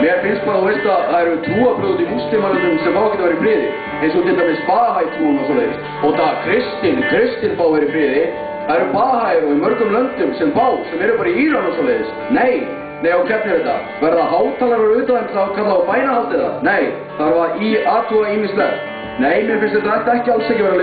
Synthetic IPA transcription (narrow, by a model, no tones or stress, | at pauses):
mɛɾfɪnst̪paɾaðuθɛst̪aaðɛɾʏt̪ʰuːapʰɾʏːɣt̪imust̪ɪmalɪnʏmsɛmfawakʰɛt̪avaɾɪfɾɪːðɪ̰ | ɛjnsɔt̪ɪlt̪amɪspaːhajt̪ʰuanasalḛjðɪ̰s | ɔɣt̪akʰɾɪst̪ɪnkʰɾɪst̪ɪnpawɛɾɪfɾɪːðɪ | θaðɛɾʏpaːhajɾɔɣɪmœɾkʏmlœnt̪ʏmsɛmpaːwsɛmɛɾʏpaɾiiːɾanasawlejðɪs | neːj | nejawkʰɛt̪nɪɛjt̪a̰ | vɛɾðaɦaːwt̪ʰaːlaɾɛɾʏːt̪aðɛmθakʰat̪laapaːjnahalt̪ɪða̰nej | θaɾvaɾiaːt̪ʰuaiːmɪslɛ | neːjmjɛɾfɪnst̪ɪɾt̪aðɛht̪ɛhcɪalsɛcɪvɛɾal